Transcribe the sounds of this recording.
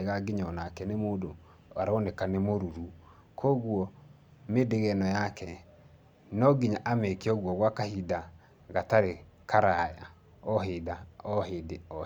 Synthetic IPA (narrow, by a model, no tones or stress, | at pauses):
eɣaɡiɲɔnakɛnemoːdo | aɾɔnekanemoɾuɾu | kʰɔɣwɔ | medeɣɛnɔjakʰɛ | nɔɡiɲaʔamekeɔɣwɔɣwakahida | ɣataɾe | kaɾaja̰ | ɔɦedaɔɦedeɔ